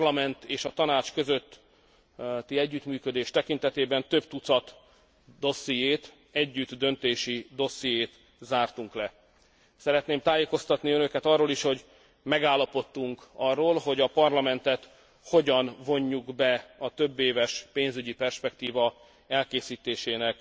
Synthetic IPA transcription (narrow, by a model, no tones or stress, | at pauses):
lɒmɛnt̪eːʃɒt̪ɒnaːt͡ʃkøzøt̪ː | t̪ːiɛɟːyt̪myːkø̞d̪eːʃt̪ɛkin̪t̪ɛt̪eːbɛnt̪øbt̪ut̪sɒt̪ | d̪o̞sːijeːt̪ | ɛɟːyt̪d̪ø̞nt̪eːʃid̪o̞sijeːt̪ | zaːrt̪uŋklɛ | sɛɾɛt̪neːmt̪aːjeːko̞st̪ɒt̪niønø̞kɛt̪ɒrːoːliʃho̞ɟ | mɛɡaːlːɒpo̞t̪ːuŋkɒrːoːlɦo̞ɟɒpɒrlɒmɛnt̪ɛt̪ | ho̞ɟɒnvo̞ɲːuɡbɛɒt̪øbːeːvɛʃpeːnzyɟipɛrʃpɛkt̪iːvɒ | ɛlkeːsiːt̪eːʃeːnɛk